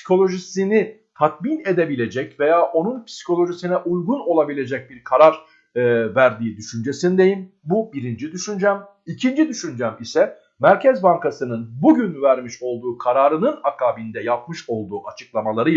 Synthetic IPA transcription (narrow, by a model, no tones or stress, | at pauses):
si̥kʰo̞lʲˠo̞ʒisinit̪ʰat̪̚mine̞d̪e̞bilʲe̞d͡ʒɛcve̞jaːʔo̞nunpʰi̥si̥cʰo̞lʲˠo̞ʒisinɛʔujɡuno̞lˠabilʲe̞d͡ʒɛc̚biɾkʰaɾaɾ | væɾd̪iːd̪yʃynd͡ʒe̞sinid̪e̞jim | bubiɾind͡ʒid̪yʃynd͡ʒæm | icʰind͡ʒid̪yʃynd͡ʒæmisɛ | mæɾcʰɛzbaŋkasɯnɯnbuɟynvæɾmiʃo̞lˠd̪uːkʰaɾaːɾɯnɯnakʰaːbind̪ɛjap̚mɯʃo̞lˠd̪uːʔat͡ʃʰɯ̥klˠamalˠaɾɯ